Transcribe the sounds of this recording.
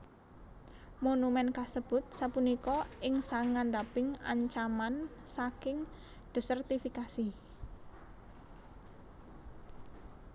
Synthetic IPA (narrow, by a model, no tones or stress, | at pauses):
monumɛnkasəb̥ʊ̤t̪̚sapunikɔʔɪŋsaŋand̪apɪŋa̰ɲt͡ʃamansakɪŋ | d̪̥o̤sərt̪ifikasi